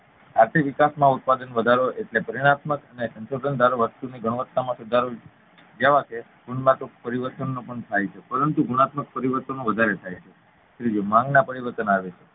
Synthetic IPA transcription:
aɾt̪ʰiʋikasmãut̪̚pad̪ənʋəd̪ʱaɾoeʈlepəɾiɽ̃at̪məkənesə̃nʃod̪ənd̪ʱaɾoʋəst̪uniɡəɳ̃ʋətt̪ːamãsud̪ʱaɾo | d͡ʒaʋakʰe | ɡ̥uɳmat̪uk̚pəɾiʋəɾt̪ənːõpəɳt̪ʰajt͡ʃʰepəɾənt̪uɡuɳat̪mək̚pəɾiʋəɾt̪ənõʋəd̪ʱaɾet̪ʰajt͡ʃʰe | ʃɾid͡ʒomãŋɡnapəɾiʋəɾt̪ənaʋet͡ʃʰe

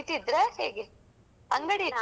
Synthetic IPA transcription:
t̪id̪ɾehḛːɡe | ɐŋɡɐɽia

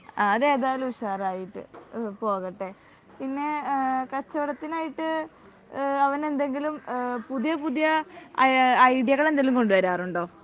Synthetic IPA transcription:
aːðe̞ːðaːlumuɕaːraːjiʈːɨ̰po̞ːɣɐʈːe̞ | pinːe̞kɐt͡ɕːɐʋɐɽɐt̪ːinaːjiʈːɨ | ɐʋɐne̞nd̪e̞ŋɡilumpuðjɐpuðijɐ | ɐjɽjɐɣɐɭe̞nd̪eŋlumko̞ɳɖuʋɐɾaːruɳɖo̞ː

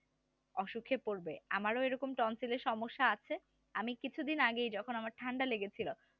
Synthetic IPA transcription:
ɔʃukʰːepoɾbeamaɾoeɾɔkomʈɔnsileɾʃɔmoʃːaat͡ɕʰe | amikit͡ɕʰud̪inaɡejd͡ʑɔkʰonamaɾʈʰaɳɖaleɡet͡ɕʰilo

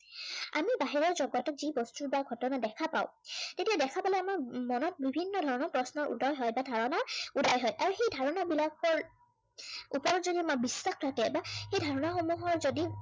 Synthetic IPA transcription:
a̰mibaɦiɹɔɹzɔɡɔtɔkzibɔstubaɡʱɔtɔnadɛkʰapa̰ʊtetiadɛkʰapalɛamaɹmɔnɔt̚bibʱinːɔdʱɔɹɔnɔpɹɔsnɔɹʔṵdɔjɦɔjbadʱaɹɔnaudɔjɦɔjʔaɹuxejdʱaɹɔnabilakɔɹ | upɔɹɔzodimabisːaxɹatɛbaxejdʱaɹɔnaxomuɦɔɹzodi

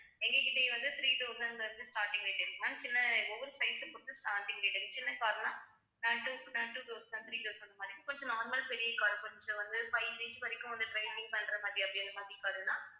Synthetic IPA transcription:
ɛŋɡekɪʈ̪ːejʋɐnd̪ɯt̪ɾiːt̪oːsɐndɐɾnɯsʈaːɾʈːɪ̃ŋɡɐeʈːɐɾkːɐnaːt͡ʃɪnːɐɔʋːɐɾɯsɐɪsɐpoːɽɯt̪ːɯsʈaːt̪ɪŋɡɐɪʈːɐŋɯt͡ʃɪnːɐkaːɾɯnaː | nɐʈunɐʈuːd̪oːsnɐːnt̪ɾiːt̪oːsɐnd̪ɐmaːd̪ɾikkɔɲd͡ʒɔ̃naːɾmɐlpɛɽɪjekːaːɾɯ̃kɔɲd͡ʒɐ̃ʋɐnd̪ɯpɐjɐnd͡ʒet͡ʃɯpɐɾɪkːʊ̃ʋɐnd̪ɯʈɾɐɪpɪŋɡɐpɐɳɖɾɐmaːd̪ɾiɐpːɐɽɪɐd̪ɐmaːd̪ɾikaːɾɯnãː

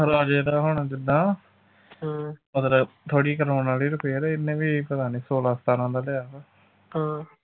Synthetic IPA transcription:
ɾaːd͡ʒeːd̪aːɦʊɳad͡ʒɪd̪ãː | əd̪ɾt̪ʰoːɽiːkəɾaːnaːliːɾʊpeːeɾɛːɪnːẽːʋiːpət̪aːniːsoːlaːst̪aːnãːd̪aːlɪjaːʋɛː | hãː

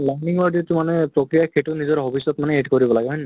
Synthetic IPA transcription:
lajniŋɔɹditʊmanɛpɹokɹijakʰeʈʊnizɔɹɦobʱisːɔtmanɛeɖkoɹibɔlaɡeɦɔjn

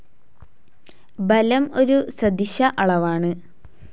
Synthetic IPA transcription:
bɐlɐmo̞ɾusɐd̪iɕɐʔɐɭɐʋaːɳɨ

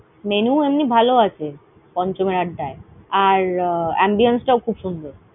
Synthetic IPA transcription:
menuemnibʱaloat͡ɕʰe | pɔɲt͡ɕomeɾaɖːaeaɾɛ̰mbionsʈaokʰubʃund̪ʱoɾ

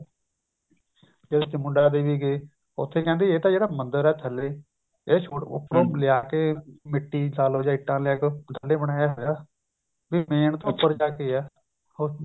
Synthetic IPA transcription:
d͡ʒeːd̪eːt͡ʃəmʊɳɖaːd̪eːʋiːɡeː | ʊ̰t̪ʰːeːkɛ̃ːnd̪eːeːt̪ãːd͡ʒeːɽaːmənd̪əɾɛːt̪ʰəlːeː | eːt͡ʃʰoʊ̰pːɾõːlɪjaːkeːmɪʈːiːlaːloːd͡ʒãːɪʈːãːlɪjaːket̪ʰəlːeːbəɽaːjaːɦɛɡaː | ʋiːmeːɳt̪õːʊpːəɾd͡ʒaːkeːɛː | o

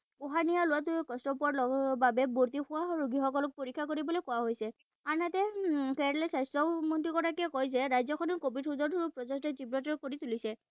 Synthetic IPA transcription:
ʊɦanijalʊwat̬ʊkɔstɔp̬uaɹlɔbabɛboɹt̬ixʊaɹuɡʱixɔkɔlɔk̚poɹikʰːjakoɹibɔlɔjkɔwaɦojsɛ | anatɛkɛalɛsajstɹɔmɔntikɔtʰakiɛkɔjzɛɹajzɔkʰɔnɛkobidhuzɔdɔɹupɹɔzɔstɛtibɹɔtɔɹkoɹitulisɛ

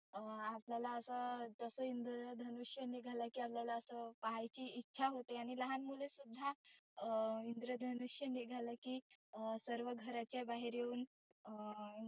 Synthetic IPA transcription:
əapljalaəsət̪əsəind̪ɾəd̪ʱənuʂjəneɡʱaləkiːapljalaəsəpaɦajt͡ɕiːitːɕʰaɦot̪eaɽ̃iləɦanmulesud̪ʱːa | ind̪ɾəd̪ʱənuʂjəneɡʱaləkiːəsəɾʋəɡʱəɾat͡ɕjabaɦiɾjeuːn

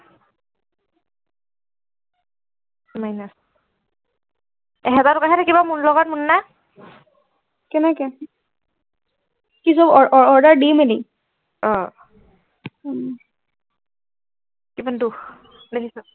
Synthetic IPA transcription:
majnas | ɛɦɛtatʊkaɦɛtʰakibamunlɔɡat̚munːa | kɛnɛkɛ | kis̬ɔbɔɔɹɔɹdaɹdimɛni | ɔ | kibandux | dekʰisʊ

